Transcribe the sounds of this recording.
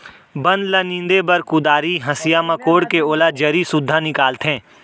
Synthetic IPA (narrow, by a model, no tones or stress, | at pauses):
bɐ̃nd̪lɐnĩːnd̪ebɐɾkʊd̪aːɾiɦɐsijaːmakoːɽkeoːlad͡ʒɐɾisʊd̪ʱːanɪkaːlt̪ɦẽː